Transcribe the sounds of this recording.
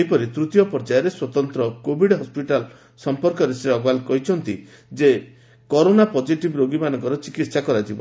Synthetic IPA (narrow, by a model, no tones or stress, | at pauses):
ipɔɾit̪ɾut̪ijɔpɔɾd͡ʒajɔɾeswɔt̪ɔnt̪ɾɔkobʱiɽɦɔspiʈal | sɔmpɔɾkɔɾeseɔɡalkɔɦit͡ʃʰɔnt̪i | d͡ʒe | kɔɾonapɔd͡ʒiʈibɾoɡimanɔŋkɔɾɔt͡ʃikit̪sakɔɾad͡ʒibɔ̰